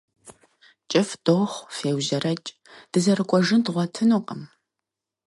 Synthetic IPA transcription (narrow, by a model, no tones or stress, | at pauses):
t͡ʃʼɪfd̥oːχʷfeːwʑɐrɐt͡ʃʼ | d̥ɨzɐɾɨkʷʼɔʒɨndʁʷɔtʰɨnuːqʼɐm